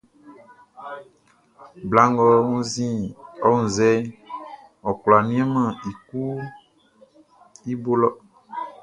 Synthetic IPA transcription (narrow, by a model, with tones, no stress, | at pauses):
bla˨ŋ˦ɡɔ˦ŋũ˦zĩ˦ɔ˦ŋũ˨zɛ˦ | ɔ˨kla˨nũ˦ɛ̃˦mã˨i˨ku˦ | i˦bo˦lɔ˦